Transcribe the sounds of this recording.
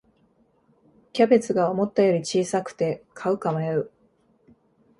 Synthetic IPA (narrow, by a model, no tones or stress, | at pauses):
kʲabe̞t͡sɨɡao̞mo̞t̪ːajo̞ɾʲit͡ɕiːsakɯ̟̥t̪e̞kʰaɯ̟kamajaɯ̟